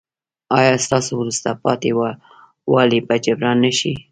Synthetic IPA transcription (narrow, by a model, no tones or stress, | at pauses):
ɑjɑst̪ɑsowɾust̪apɑt̪ewa | wɑlipat͡ʃabɾɑnːəʃi